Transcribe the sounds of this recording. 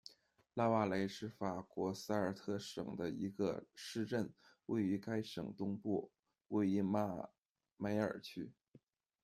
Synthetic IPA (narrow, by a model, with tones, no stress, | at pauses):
la˥˧wa˥˩le˧˥ɪʂɻ̩˥˩fa˨˩kwɔ˧˥s̩˥ə˞˨˩t̪ʰɤ˥˩ʂɤ̰˨˩ŋd̪ə˦i˧˥ɡə̰˧ʂɻ̩˥˧ʈ͡ʂə˥˩nwe˥˩ɪy˧˥ka˥ɪʂɤ̰˨˩ŋt̪ʊ˥ŋpu˥˩ | we˥˩ɪi˧˥˩ma˥˩ | me˧˥ɪə̰˞˨˩t͡ɕʰy˥